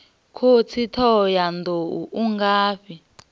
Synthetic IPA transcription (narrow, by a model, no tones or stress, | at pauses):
kʰot͡sʰitʰɔjandouʔuŋɡaːɸi